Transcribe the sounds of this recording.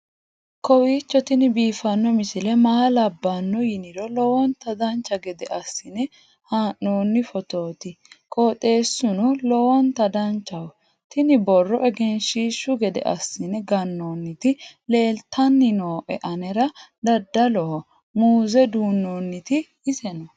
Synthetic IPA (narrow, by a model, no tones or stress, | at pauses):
kɔwiːt͡ʃːɔt̪ɪnɪbiːfɐnːɔmɪsɪlɛmaːlɐbːɐnːɔjɪnɪɾɔlɔwɔnt̪ɐd̪ɐnt͡ʃːɐɡɛd̪ɛʔɐsːɪnɛ | haːʔːoːnːɪfɔt̪o̞ːt̪ɪkʼoːt̪ʼe̞ːsːʊnʊlɔwɔnt̪ɐd̪ɐnt͡ʃːɐw | t̪ɪnɪbɔrːɔʔɛɡɛnʃiːʃːʊɡɛd̪ɛ̰ʔɐsːɪnɛɡɐnːoːnːɪt̪ɪle̞ːlt̪ʰɐnːɪnoːʔɛ̰ʔɐnɛɾɐd̪ɐd̪ːɐlɔhɔ | muːzɛd̪uːnːonːɪt̪ɪː | sɛnɔ